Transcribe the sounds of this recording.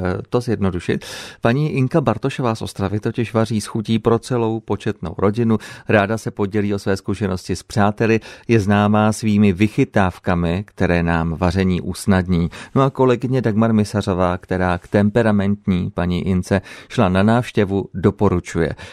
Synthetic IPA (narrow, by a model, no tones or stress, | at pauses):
t̪o̞zjɛdno̞duʃɪ̰t̪̚paɲiːʔɪŋkabaɾt̪o̞ʃo̞vaːsʔo̞st̪ɾavɪt̪o̞cɪʃvariːsxuciːpɾo̞t͡sɛlo̞wpo̞t͡ʃɛt̪no̞̰wɾo̞ɟɪnuɾaːdasɛpo̞ɟɛliːʔo̞svɛːskuʃɛno̞scɪspr̝̥aːt̪ɛlɪjɛznaːmaːsviːmɪvɪxɪt̪aːfkamɪkt̪ɛɾɛːnaːmvar̝ɛɲiːʔuːsnadɲiːno̞ʔako̞lɛɡɪɲɛdaɡmaɾmɪsar̝o̞vaːkt̪ɛɾaːkt̪ɛmpɛɾamɛnt̪ɲiːpaɲḭʔɪnt͡sɛʃlananaːfʃcɛvudo̞po̞ɾut͡ʃujɛ̰